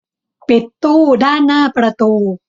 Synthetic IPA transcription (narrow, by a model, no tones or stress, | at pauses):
pet̪ːodanapɾɐt̪o